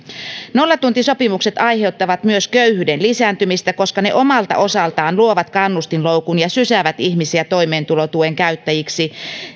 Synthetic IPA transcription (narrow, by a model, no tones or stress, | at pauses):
no̞lːɑt̪unt̪iso̞pimukset̪ɑjhe̞ut̪ːɑʋɑt̪myøskøyhyːdenlisæːnt̪ymist̪æko̞skɑnḛʔo̞mɑlt̪ɑ̰ʔo̞sɑlt̪ɑːnluoʋɑt̪kɑnːust̪inloukunjɑsysæʋæt̪içmisiæt̪o̞imeːnt̪ulot̪ueŋkæyt̪ːæjiksi